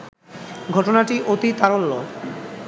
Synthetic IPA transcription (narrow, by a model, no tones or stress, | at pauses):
ɡʱɔʈonaʈiʔot̪it̪aɾolːo